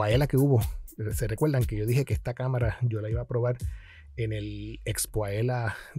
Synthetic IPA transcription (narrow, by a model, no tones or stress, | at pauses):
aelake̞uβo̞se̞re̞kwe̞ɾðaŋke̞ʝo̞ðihe̞keest̪akamaɾaɟ͡ʝo̞laiβaːpɾo̞βaɾ | enelekspoaela